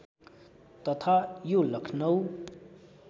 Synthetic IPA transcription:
t̪ʌt̪ʰajolʌkʰnʌw

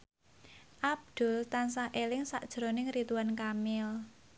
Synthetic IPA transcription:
ʔab̚d̪̥ʊ̤lt̪ansahʔelɪŋsa̰ʔd̥ʒ̥ɾonɪŋrit̪uwankamɪl

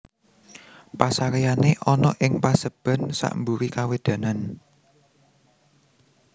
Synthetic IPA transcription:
pasaɾejaneʔɔnɔʔɪŋpasəb̥ä̤nsa̰ʔmbuɾikawed̪̥ä̤nan

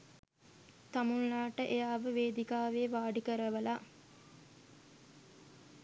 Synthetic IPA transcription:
t̪amunlaːʈəʔejaːʋəʋeːd̪ikaːʋeːʋaːɖikəɾəʋəlaː

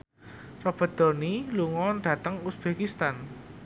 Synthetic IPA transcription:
rɔb̥ə̤d̪̥ɔ̤niluŋɔnɖ̥ä̤t̪əŋusb̥ekist̪an

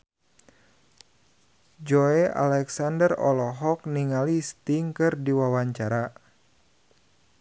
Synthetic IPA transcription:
d͡ʒɔea̰lɛksandərɔ̰lɔɦɔk̚niŋalist̪iŋkɨrdiwawaɲt͡ʃaɾa

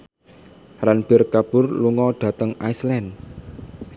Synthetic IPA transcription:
ɾanb̥ɪrkab̥ʊrluŋɔɖ̪̥ä̤t̪əŋaislɛn

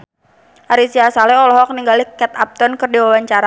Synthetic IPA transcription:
ʔaɾisiasalɛɔlɔɦɔk̚niŋɡalikɛt̪ap̚t̪ɔnkɨrdiwawaɲt͡ʃaɾa

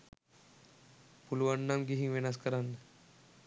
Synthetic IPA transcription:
puluʋaɳːamɡiɦiŋʋenaskəɾanːə

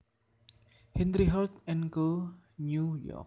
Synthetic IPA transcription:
hɛ̃ndɾiɦɔt̪ɛ̃nkə | njujɔ̰k̚

